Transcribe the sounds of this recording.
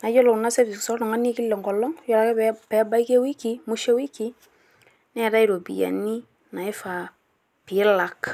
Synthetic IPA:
na˨˦d͡ʒɔ˦lɔ˨na˦se˦ɾi˨ksɔ˦ɾnɔ˨ŋa˦ni˦kɪ˦lːe˨ŋɡɔ˨lːɔ˦ŋ˦jɔ˦la˨˦kɛ˦pɛ˨˦ba˦ɪ˦ke˦wi˦ki˨˦mu˦ʃe˦wi˦kːi˦ | nɛ˦˨ɾa˦i˦ɾo˨bḭ˨ja̰˨ni˦ | na˨ɪ˦fa˨ | pɪ˨˦la˨k

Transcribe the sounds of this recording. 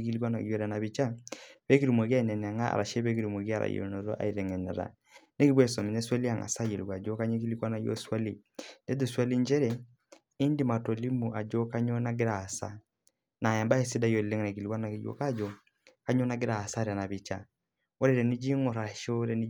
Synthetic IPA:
k̬i˦li˦wa˦na˨jɔ˨ɾa˨na˨βi˨t͡ʃa˦βɛ˦ki˦ɾi˨mwa˨ɣa˦˨nɛ˨nɛ˨a˨ŋa˦a̰˨ɾa̰˨ʃɛ˦βɛ˦ki˦ɾu˨m˨ɔ˨ki˦a˦˨ɾa̰˨jo̰˨nɔ˨ɾɔ˦ʔa̰˨i˨ɾɛ˨ŋɛ˨nɛ˨ɾa̰˨ | ne˦ki˦βwɛ˦sɔ˨mi˨ɛ˦swa˦li˦a˨ŋa̰˨sa˦je˨lwa˨d͡ʒo˦ka˦ɲi˦ki˦li˦kwa˦na˦jɔ̰˦swa˦li˨ | ndɛ˦du˨swa˦li˦ɲd͡ʒɛ˦ɾɛ˨ | i˦ndi˨ma˨tɔ˨li˦mu˨ʔa˨d͡ʒɔ˦ka˦ɲɔ˦na˦ɡɪ˦ɾa˨sa̰˨ | na˨ja˨mba˦e˨si˦da˦jɔ˨lle˦ŋ˨ɾa˨ki˨li˨wa˦na˨ki˨jo̰˨ka˦d͡ʒɔ˨ | ka˦ɲɔ˦na˦ɡe˦ɾa˨sa˦ɾa˨na˨βi˨t͡ʃa̰˨ | ɔ˦ɾɛ˨ɾɛ˨ni˦d͡ʒi˦ŋɔ˨ɾa˨ʃo˦ɾɛ˨ni˦

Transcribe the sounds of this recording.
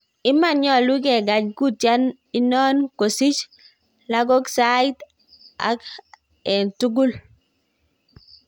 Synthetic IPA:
ɪ˦ma˦ɲɔ˦˨lu˦ɡɛ˨ɡa˨d͡ʒku˦tja˦n | i˦nɔ˦nko˨si˦t͡ʃ | la˦ɡo˦ksa˦i˦t | a̰˨k | ɛ˨ntu˦ɡu˦l

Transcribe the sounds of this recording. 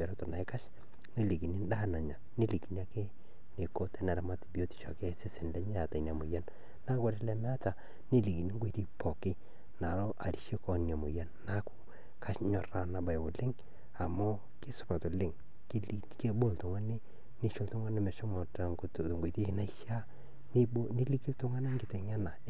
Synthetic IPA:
bɛ˨ɾo˦tɔ˨na˨ɪ˦ka˦ʃ | ni˦li˨ki˨ni˦nda˦na˨ɲa˨ne˦li˨ki˨na˦ke˦ | ne˨ko˦tɛ˦nɛ˨ɾa˨˦ma˦ti˨bi˨o˦ti̥˨ʃɔ̰˨ke˦sɪ˦sɪ˨nlɛ˦ɲɛ˦a˨ta˨n˨a˨mʊ˨ja˦n | na˦ka˦ɾɪ˦lɛ˦mɛ˦a˦ta˨ | ni˦li˨ki˨ni˦ŋɡe˨ti˦pɔ˨kɪ˦ | na˨lɔ˦ʔa˨ɾi˨ʃi˦kɔ˦nni˨a˨mʊ˨ja˦nːa˦kʊ̥˦ | kʰa˦ʃɲɔ˨ra˨na˨ba˨jbʊ˨lɪ˦ŋ | a˨mʊ˦ | kɪ˦sʊ̥˨pa˨tʊ˨lɪ˦ŋ | kl | ke˦bo˦ltʊ˨ŋa˦nɪ˦ | nɪ˦ʃʊ˦ltʊ˦ŋa˦nɪ˦mɛ˨ʃɔ˦mɔ˨ta˨ŋkʊ˦tŋɡe˨ti˦ɪ˨na˦i˦ʃa˦ | n˦nɪ˦li˦ki˦ltʊ˦ŋa˦na˦ŋɡɪ˨tɛ˨ŋa˦na˨

